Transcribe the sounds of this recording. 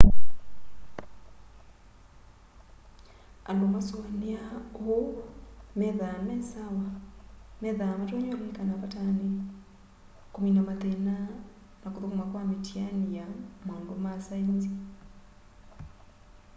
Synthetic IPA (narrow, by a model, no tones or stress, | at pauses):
alomasoaneao | mɛðamɛsawa | mɛðamatwɔɲolekanapatane | kominamatena | nakoðokumakwametjaniamaːndomasainzi